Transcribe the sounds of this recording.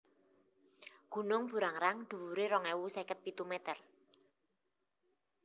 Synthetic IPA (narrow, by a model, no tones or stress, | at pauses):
ɡ̥ṳnʊŋb̥ṳɾaŋɾaŋd̪̥ṳwuɾeɾɔŋɛwusɛkət̪̚pit̪umɛt̪ər